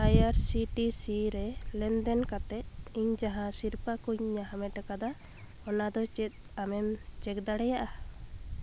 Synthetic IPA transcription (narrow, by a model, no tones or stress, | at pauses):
ajaɾsiʈisiɾɛlɛnd̪ɛnkat̪ɛt̪̚iɲd͡ʒaɦãsiɾpakuɲːaɦamɛʈakad̪a | ɔnad̪ɔt͡ʃɛt̪̚amɛmt͡ʃɛk̚d̪aɽɛjaʔa